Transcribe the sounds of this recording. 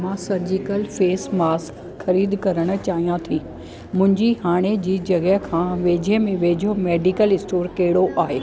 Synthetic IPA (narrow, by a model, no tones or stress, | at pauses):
mãsɐɾd͡ʑɪkəlfeːsmaːsk | xɐɾiːd̪kɐɾəɽ̃ʊ̆t͡ɕaːɦijãt̪ʰiː | mʊ̃ɦɪ̃ɲd͡ʑiɦaːɽ̃ed͡ʑiːd͡ʑɐɡəɦkʰãːʋeːd͡ʑʱemẽʋeːd͡ʑʱomeːɖikəlɪsʈoːɾkɐɦɪɽoʔaːɦeː